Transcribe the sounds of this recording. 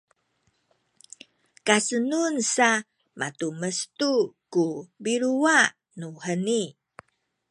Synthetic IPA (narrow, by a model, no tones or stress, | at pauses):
kasənunsa | matuməstukubiɾuaʔ | nuhəni